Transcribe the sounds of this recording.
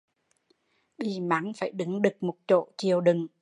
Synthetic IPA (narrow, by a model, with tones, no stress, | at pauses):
ɓi˨˩ma˨˦ŋfaː˧˩jɗɨ˨˦ŋɗɨ˨˩k̚mo˨˩t̚t͡ɕo̰˧˨t͡ɕi˨˩əwɗɨ˨˩ŋ